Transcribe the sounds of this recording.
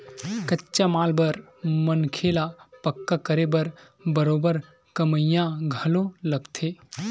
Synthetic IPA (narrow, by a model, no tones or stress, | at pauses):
kətːt͡ʃamaːlbəɾmənkʰeːlapɐkːakəɾebəɾ | bəɾoːbəɾ | kəməjãɡʱəlõlɐɡt̪ʰeː